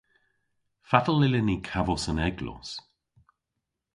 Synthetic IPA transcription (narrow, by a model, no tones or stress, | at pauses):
fat̪əlɪlənikʰavɔsənɛɡlɔ̰s